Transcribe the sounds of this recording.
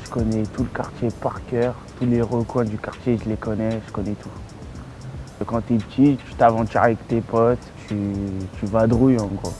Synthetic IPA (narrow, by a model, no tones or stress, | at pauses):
ʒəkɔnɛt̪uləka̰ʁt̪jepaʁkʲœʁt̪uleʁəkwɛ̃d̪ykaʁt̪jeʒəlekɔnɛʒəkɔnɛt̪u | əkɑ̃t̪ept̪it̪y̥t̪avɑ̃t̪yʁavɛkt̪epɔt̪t̪ʰyt̪ʰyvad̪ʁujɑ̃ɡʁo̰